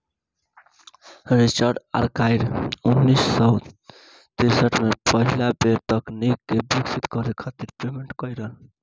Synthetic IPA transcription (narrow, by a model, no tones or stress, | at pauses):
ɾit͡ʃəɾɖa̰ɾkaɪɾunːisːɔ | t̪iɾsəʈmepəɦilabeɾt̪ʌknikebiksit̪kɔɾekʰat̪iɾpɾemeɳʈkəjɾəl